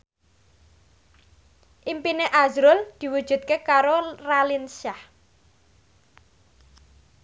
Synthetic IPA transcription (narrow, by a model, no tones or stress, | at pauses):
ʔimpineʔazɾʊld̪̥i̤wud̥ʒ̥ṳt̪̚kekaɾoralinʃah